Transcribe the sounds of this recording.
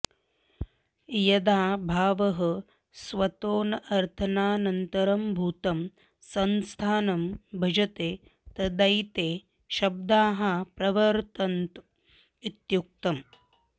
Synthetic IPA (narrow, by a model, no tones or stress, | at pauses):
jɐd̪aːbʱaːʋɐɦɐ | sʋɐt̪oːnɐʔɐɾt̪ʰɐnaːnɐnt̪ɐɾɐmbʱuːt̪ɐm | sɐnst̪ʰaːnɐmbʱɐd͡ʒɐt̪eː | t̪ɐd̪ɐjt̪eː | ʃɐb̚d̪aːɦɐpɾɐʋɐɾt̪ɐnt̪ | it̪juk̚t̪ɐm